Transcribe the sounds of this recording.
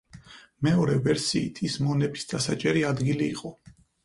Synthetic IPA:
mɛɔɾɛvɛɾsiːt̪ʰismɔnɛbisd̪asat͡ʃʼɛɾiad̪ɡiliːqʼɔ

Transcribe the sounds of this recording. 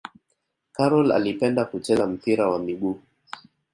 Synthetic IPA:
kaɾɔla̰lipɛndakut͡ʃɛzam̩piɾawamiɠuː

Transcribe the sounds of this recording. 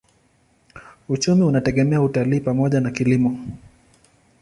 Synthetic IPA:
ut͡ʃumiunatɛɠɛmɛautaliːpamɔʄanakilimɔ

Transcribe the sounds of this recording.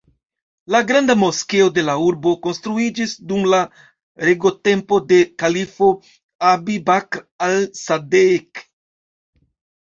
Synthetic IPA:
laɡɾandamo̞ske̞o̞de̞lauɾbo̞ko̞nstɾuid͡ʒisdumla | ɾeɡo̞te̞mpo̞de̞kalifo̞ | abibakɾalsadek

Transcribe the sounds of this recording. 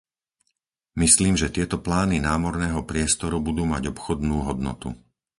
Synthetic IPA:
misliːmʒɛt̪ɪɛt̪ɔplaːninaːmɔɾnɛːɦɔpɾɪɛst̪ɔɾubud̪uːmaɟɔpxɔd̪nuːɦɔd̪nɔ̰t̪ṵ

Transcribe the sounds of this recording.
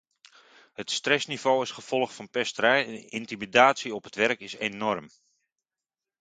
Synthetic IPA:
hətstrɛsniv̥oːɪsχəv̥ɔlˠəχtfɑnpɛstərɛjɛnɪntimidaːtsiɔpətʋɛrkɪsenɔrm

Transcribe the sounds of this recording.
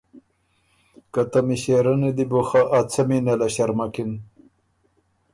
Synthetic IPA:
kat̪amiɕeɾɐnid̪iboxaʔːt͡sʰɐminalaɕɐɾmakin

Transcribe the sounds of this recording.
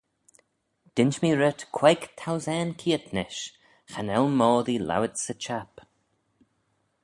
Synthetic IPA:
d̪̥ɪnt͡ʃmiːɹət̪kʰwɛjkt̪ʰawzɛːnkʰiːət̪nɪʃ | xanɛlmɔːðila̰wət̪sət͡ʃʰap

